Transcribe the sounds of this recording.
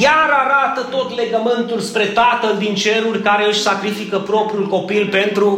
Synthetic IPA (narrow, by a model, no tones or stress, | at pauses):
jaɾaɾat̪ət̪o̞t̪le̞ɡəmɨnt̪ulspɾe̞t̪at̪əld̪int͡ʃe̞ɾurʲkaɾe̞ɨʃʲsakɾifikəpɾo̞pɾiulko̞pilpe̞nt̪ɾu